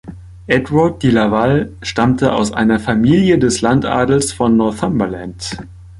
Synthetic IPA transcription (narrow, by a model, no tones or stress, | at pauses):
ʔɛtvat̚d̥ilavalʃtamtəʔa̰ʊsʔa̰ɪnɐfamiːljədɛslantʔa̰ːdl̩sfɔnːɔɐθambɐlant